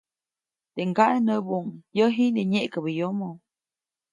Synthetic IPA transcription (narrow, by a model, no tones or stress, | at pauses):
t̪eʔŋɡaʔenəbuŋjəɦinəɲeʔkəbəjomo